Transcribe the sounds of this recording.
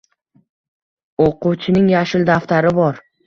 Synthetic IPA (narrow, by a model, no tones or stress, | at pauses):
oquwt͡ʃʰɪnɪŋjaʃɪld̪aft̪ʰaɾɪbɒɾ